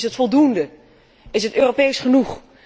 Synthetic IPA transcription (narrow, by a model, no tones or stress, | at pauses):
sɦətfɔlˠdundə | ɪsɦətøːropejsχənuχ